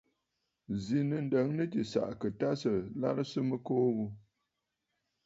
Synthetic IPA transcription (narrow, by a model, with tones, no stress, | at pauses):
zi˨nɨ˨n̩˨də˨˦ŋnɨ˦tɨ˨sa̰˨ʔkə˨ta˦sə˨la̰˦ɾɨ˦sɨ˦mɨ˦koː˦ɣu˦